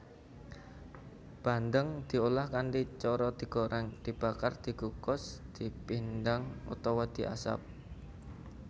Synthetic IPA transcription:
b̥a̤nd̪əŋd̪̥i̤ulahkanʈit͡ʃɔɾɔd̪̥i̤ɡ̥o̤ɾɛŋd̪̥i̤b̥akard̪̥i̤ɡukɔsd̪̥i̤pindaŋṵt̪ɔwad̪̥i̤ʔa̰sa̰p̚

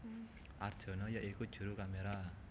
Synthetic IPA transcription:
ʔard̥ʒ̥ɔ̤nɔjaʔikut̪̚ʒ̥ṳɾukameɾa

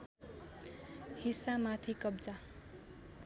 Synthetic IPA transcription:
hisamat̪ʰikʌbt͡sa

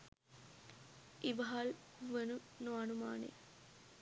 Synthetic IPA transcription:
iʋɐɦalʋənunoɐnumaːnḛ

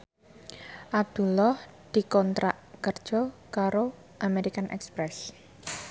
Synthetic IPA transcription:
ʔab̚d̪̥ṳlɔh | d̪̥ikɔnt̪ɾaʔkərd̥ʒ̥ɔkaɾo | ʔameɾikanʔɛ̰kspɾɛs

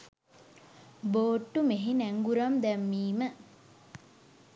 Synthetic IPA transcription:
boːʈːumeɦinæŋɡuɾamd̪ɛmːiːmə

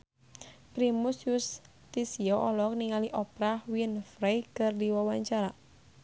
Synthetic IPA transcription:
pɾimusjus | t̪isiɔʔɔlɔk̚niŋaliʔɔpɾahwinfɾejkɨrdiwawaɲt͡ʃaɾa

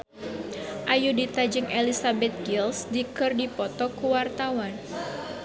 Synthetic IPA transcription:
ʔajudit̪ad͡ʒɪŋʔelisabɛt̪̚ɡilsdikɨrdipɔt̪ɔkuwart̪awan

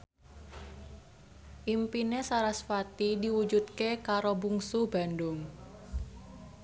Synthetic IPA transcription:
ʔimpinesaɾasfat̪idiwu̥d͡ʒud̪̚kekaɾobuŋsub̥a̤ndʊŋ

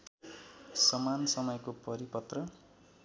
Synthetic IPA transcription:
sʌmansʌmʌjkopʌɾipʌt̪rʌ

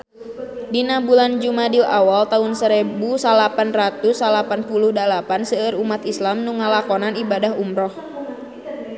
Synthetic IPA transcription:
dinabuland͡ʒumadilawalt̪aunsəɾɛbusalapanrat̪usalapanpuluhdalapansəəɾumat̪islamnuŋalakɔnanibadaɦumɾɔh

